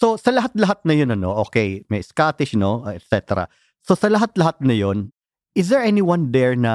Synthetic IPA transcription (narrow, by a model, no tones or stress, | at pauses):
so̞sɐlɐɦat̪̚lɐɦat̪̚nɐjonɐno̞̰ʔoːkɛjmɐjskaːt̪ɪʃno̞ɛt̪sɛt̪ɛɾɐ̰ | so̞sɐlɐɦat̪̚lɐɦat̪̚nɐjo̞n | ʔɪs̬d̪ɛɹʔɛniwɐ̃nd̪ɛɹnɐ